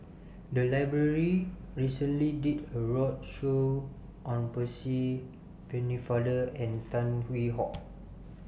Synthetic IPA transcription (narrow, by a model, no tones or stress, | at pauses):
dəlajbɹəɹi | ɹisə̃nlididəɹɔd̚ʃo | ʔɔ̃npəsi | pɛ̃nifadəɛ̃ntãnwiɦɔk̚